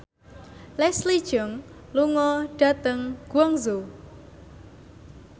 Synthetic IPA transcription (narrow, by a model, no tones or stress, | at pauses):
lɛslid̥ʒ̥ɔŋ | luŋɔɖ̥a̤t̪əŋɡ̥wɔŋzo